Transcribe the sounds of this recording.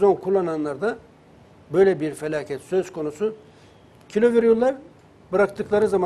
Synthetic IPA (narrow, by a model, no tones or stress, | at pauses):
zo̞nkʰulˠːananlˠaɾd̪a | bø̞jlʲɛbiɾfelʲaːcʰɛt̪sø̞z̥kʰo̞nusu | cʰilʲo̞viɾjulˠːaɾ | bɯɾakt̪ɯklˠaɾɯzama